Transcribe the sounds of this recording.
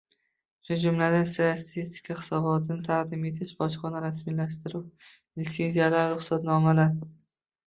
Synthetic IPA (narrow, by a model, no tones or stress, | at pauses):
ʃʊd͡ʒʊmlad̪anst̪ajasat̪ʰist̪ʰɪ̥kʰaχɪ̥sɒbɒt̪ʰɪnɪt̪ʰaʁd̪ɪme̞t̪ʰɪʃbɒʃqɒnaɾasmilaʃt̪ɪɾʊw | ɪlʲsenzijalaɾɾʊχsat̪nɒmalaɾ